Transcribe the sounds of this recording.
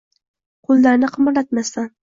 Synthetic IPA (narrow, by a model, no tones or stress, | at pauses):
qʰʊlˠːaɾnɪqʰɨmɨɾlat̪masan